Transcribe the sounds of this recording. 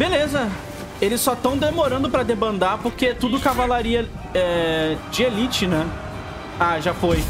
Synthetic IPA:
belezɐ | elɪssɔt̪ɐ̃w̃d̪emoɾɐ̃nd̪ʊpɾɐd̪ebɐ̃nd̪aɾpoɾket̪ud̪ʊkavalaɾiɐ | ɛd͡ʒɪelit͡ʃɪnɛ̃ | aʒafoj

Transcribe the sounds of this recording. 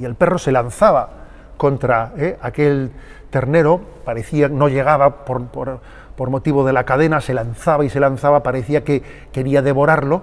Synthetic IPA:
ie̞lpe̞ro̞se̞lanθaβa | ko̞nt̪ɾaeake̞l | t̪e̞ɾne̞ɾo̞ | paɾe̞θiano̞ʎe̞ɣ̞aβapoɾpoɾ | po̞ɾmo̞t̪iβo̞ð̞e̞lakað̞e̞nase̞lanθaβaise̞lan̟θaβapaɾe̞θiake̞ | ke̞ɾiaðe̞βo̞ɾaɾlo̞

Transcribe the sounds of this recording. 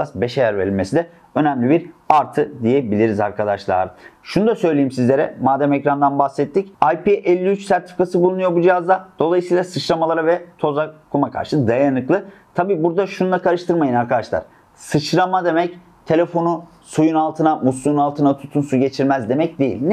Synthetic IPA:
asbeʃajæɾveɾilmesid̪ɛ | ø̞næmlʲibiɾaɾt̪ʰɯd̪ijɛbilʲiɾiza̰ɾkʰad̪aʃlˠa̰ːɾɯʃunud̪asø̞jlʲejimsizlʲe̞ɾɛ̰maːd̪æmɛcɾand̪anbaxsɛt̪ʰːicajpiʔɛlʲːiyt͡ʃsæɾt̪ʰi̥fikʰasɯbulˠunujo̞bud͡ʒijɦazd̪ad̪̥o̞lˠajɯsijlˠasɯt͡ʃɾamalˠaɾavɛt̪ʰo̞zakʰumakʰa̰ɾʃɯd̪ajanɯklˠɯ | t̪ʰabiːbuɾd̪aʃund̪ˠakʰaɾɯʃt̪ʰɯɾmajɯnaɾkʰad̪aʃlˠa̰ɾ̥ | sɯt͡ʃɾamad̪e̞mɛc | t̪ʰe̞lʲefo̞nu | sujunalˠt̪ʰɯnamuslˠujunalˠt̪ʰɯnat̪ʰu̥t̪ʰunsuɟe̞t͡ʃʰiɾmæzd̪e̞mɛcd̪ejḭlʲn

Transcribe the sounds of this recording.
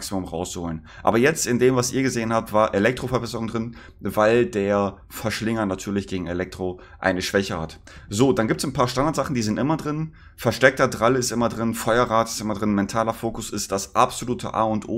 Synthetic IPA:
ksimʊmʁa̰ʊst͡suhoːlən | ʔa̰ːbɐjɛt͡stɪndeːmvasʔiːɐɡəzeːənhaːp̚tv̥aːɐʔelɛk̚tʁ̥ofɛɐbɛsəʁʊŋdʁɪn | vaɪldeːɐ | fɛɐʃlɪŋɐnatʰyːɐlɪçɡ̥eːɡŋ̩elɛk̚tʁ̥o | ʔa̰ɪnəʃv̥ɛçəha̰t | zoːdanɡiːptsn̩pʰaːɐʃtandaɐtz̥aχn̩diːzɪntʔɪmɐdʁɪn | fɛɐʃtɛk̚tɐdʁalɪstʔɪmɐdʁɪnfɔʏɐʁaːtɪ̥stʔɪmɐdʁɪnmɛntʰaːlɐfoːkʊsɪstd̥asʔapz̥oluːtʰə̰ʔa̰ːʊntʔoː

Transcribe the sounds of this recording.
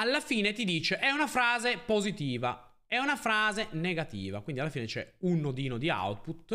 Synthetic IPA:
alːafiːnet̪id̪iːt͡ʃeʔɛunafɾaːzepozit̪iːva̰ | ɛunafɾaːzeneɡat̪ḭːva̰kwind̪ialːafiːnet͡ʃɛ̰unːod̪iːnod̪ia̰wt̪put̪̚

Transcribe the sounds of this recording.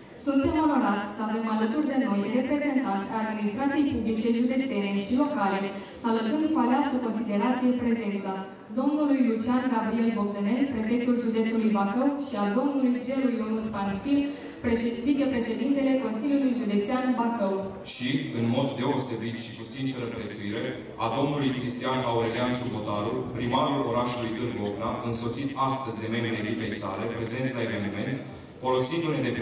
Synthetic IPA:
sunt̪e̞mo̞no̞ɾat̪sʲsəave̞malət̪urd̪e̞no̞jre̞pɾe̞ze̞nt̪ant̪sʲajad̪minist̪ɾat̪sije̞jpublit͡ʃe̞ʒud̪e̞t̪se̞ne̞ʃilo̞kale̞ | salət̪ɨnd̪kualeast̪əko̞nsid̪e̞ɾat̪sije̞pɾe̞ze̞nt̪sa | d̪o̞mnulujlut͡ʃianɡabɾie̞lbo̞k̚d̪əne̞lpɾe̞fe̞k̚t̪ulʒud̪e̞t̪sulujbakəwʃiad̪o̞mnulujd͡ʒe̞lujonut̪sfanfil | pevit͡ʃe̞pɾe̞ʃe̞d̪int̪e̞le̞ko̞nsiljulujʒud̪e̞t̪seanbakəw | ʃiɨnmo̞d̪ːe̞o̞se̞bit̪ʃi̥kusint͡ʃe̞ɾəpɾe̞t̪suiɾe̞ | ad̪o̞mnulujkɾist̪ianauɾeliant͡ʃubot̪aɾupɾimaɾulo̞ɾaʃulujt̪ɨrboknaʔɨnso̞t̪sit̪ast̪əzʲd̪e̞me̞mbɾilibe̞jsa̰le̞pɾe̞ze̞nt̪sae̞ve̞nime̞nt̪ | fo̞lo̞sind̪uned̪e

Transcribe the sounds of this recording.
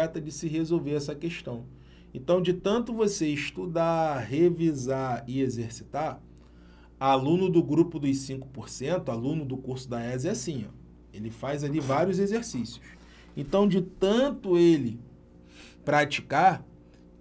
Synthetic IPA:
ɛt̪ɐd͡ʒɪsɪɦezowveɾɛs̬ɐkeʃt̪ɐ̃w̃ | ḛ̃nt̪ɐ̃w̃d͡ʒɪt̪ɐ̃nt̪ʊvoseɪʃt̪ud̪aɦevizaɪezeɾsi̥t̪aɾ | alũnʊd̪ʊɡɾupʊd̪ʊjsĩŋkʊ̥poɾsẽnt̪ʊalũnʊd̪ʊkuɾsʊd̪aɛzɛasĩɔ̰ | elɪfajzalivaɾjʊzezeɾsisjʊ̥s | ẽnt̪ɐ̃w̃d͡ʒɪt̪ɐ̃nt̪ʊelɪ | pɾat͡ʃi̥kaɾ

